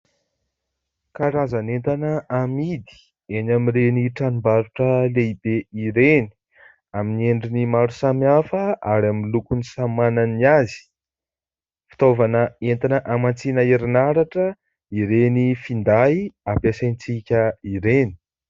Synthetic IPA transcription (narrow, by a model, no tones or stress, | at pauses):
kaɾazanent̪anəamid̪i̥ | enamireniʈ͡ʂanumbaɾuʈ͡ʂəleibeiɾeni̥ | aminieɳɖ͡ʐinimaɾusamiafəaɾaminlukunisamananiazi̥ | fi̥t̪ovanəent̪anəʔamant͡sinəeɾinaɾaʈ͡ʂə | iɾenifind̪ajapasajnt͡sikʲəiɾeni̥